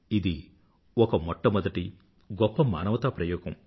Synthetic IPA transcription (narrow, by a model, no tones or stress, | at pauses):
id̪i | ɔkɐmɔʈːɐmɔd̪ɐʈi | ɡɔpːɐma̰ːnɐʋɐt̪ɐpɾɐjɔːɡɐm